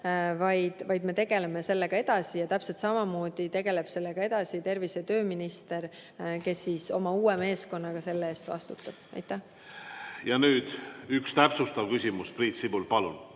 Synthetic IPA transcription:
vɑjd̪̥vɑjd̪̥me̞t̪e̞ɡ̥e̞le̞me̞se̞lːe̞ɡ̥ɑe̞d̪̥ɑsijɑt̪æpselt̪sɑmɑmo̞ːd̪̥it̪e̞ɡe̞leb̥se̞lːe̞ɡ̥ɑe̞d̪̥ɑsit̪e̞rviset̪ø̞ːminist̪e̞r | ke̞sːiso̞mɑuːeme̞ːsko̞nːɑɡ̥ɑse̞lːeeːst̪vɑ̰st̪ut̪ːˑɑb̥ʔɑ̰jt̪ˑːæh | jɑnyːd̪̥ykst̪æpsust̪ɑlkysʲimuspriːt̪sibulpɑlṵn

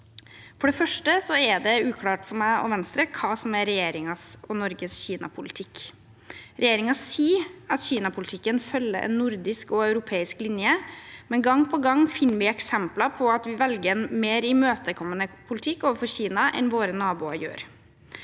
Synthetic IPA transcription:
fɔɖɛfœʂʈəsɔɛɖɛʉːkʰlɑːʈfɔɾmæɪɔ̰ʋɛnst̪ɾəkʰɑːsɔmæɾɛjeːɾɪŋɑsɔnɔɾɡəsçiːnɑ̰pʰʊlɪt̪ʰɪk | ɾʔɛjeːɾɪŋɑsiːɑt̪çiːnɑpʰʊlɪt̪ʰɪkːənfœlːə̰ɾʔɛ̰nːʊɾd̪ɪskɔœʉɾʊpʰeːɪsklɪnjəmɛnɡɑŋːpʰɔɡɑŋːfɪnːʋɪɛksɛmplɑpʰɔɑt̪ʋɪʋɛlɡəɾɛnmeːɾɪmøːt̪əkʰɔmːənəpʰʊlɪt̪ʰɪkːoːʋəɾfɔɾçiːnɑʔɛ̰nʋoːɾənɑːbuːɑ̰jø̰ːɾ

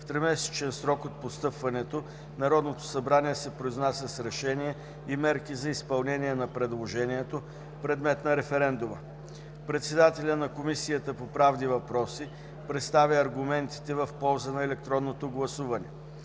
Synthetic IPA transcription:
ft̪ɾɛmɛsɛ̥t͡ʃɛnsɾɔkot̪̚post̪ɤpvɐnɛt̪o | nɐɾɔd̪not̪o̥sɐbɾaniɛsɛpɾoiznasʲəsɾɛʃɛniɛ | imɛɾkizɐispɐlˠnɛniɛnɐpɾɛd̪lˠoʒɛniɛt̪o | pɾɛd̪mɛt̪nɐɾɛfɛɾɛnd̪umə | pɾɛt̪sɛd̪at̪ɛlʲənɐkomisijət̪əpopɾavnivɐpɾɔsi | pɾɛt̪st̪avʲəɐɾɡʊmɛnt̪i̥t̪ɛvɐfpɔlˠzənɐɛlɛk̚t̪ɾɔnːot̪oɡlˠɐsuvɐnɛ

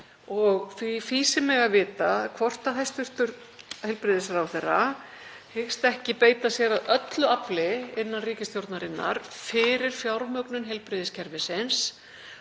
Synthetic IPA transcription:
ɔɣifiːsɪmɪɣavɪːt̪akʰvɔr̥t̪aθajst̪ʏr̥t̪ʏɾ | hejlpɾɪðɪsɾawθɛrːa | hɪxst̪ɛhcɪpeːjt̪asjɛɾaðœt̪lʏaplɪɪnːanriːcɪst̪jowɾt̪naɾɪnːa̰ɾ̥fɪːɾɪɾ̥fjawɾmœknʏnɦejlpɾɪðɪscʰɛɾvɪsɪns

